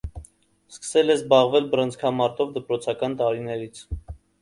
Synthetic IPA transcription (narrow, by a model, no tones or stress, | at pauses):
skə̥sɛlɛzbɑʁvɛlbəɾənt͡skʰɑmɑɾt̪ɔvd̪əpɾɔt͡sʰɑkɑnt̪ɑɾinɛɾit͡sʰ